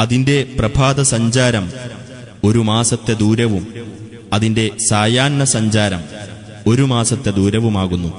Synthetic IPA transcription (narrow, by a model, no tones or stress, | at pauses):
ɐðinde̞prɐbʱaːd̪ɐsɐɲd͡ʑaːɾɐm | o̞ɾumaːsɐt̪ːe̞d̪uːɾɐʋum | ɐðinde̞saːjaːnːɐsɐɲd͡ʑaːɾɐm | o̞ɾumaːsɐt̪ːe̞d̪uːɾɐʋumaːɣunːu